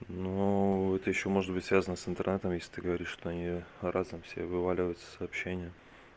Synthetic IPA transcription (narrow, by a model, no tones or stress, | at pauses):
nuɛt̪əjɪɕːo̞mo̞ʐɨd̪bɨtʲsvʲazənəsɨnt̪ərnɛt̪əmjesʲlʲɪ̥t̪ɨɡəvɐɾʲiʂʂt̪oɐnʲirʔazəmfsʲḛvɨvalʲɪvəjʊt̪sə̥sɐːpɕːenʲɪjə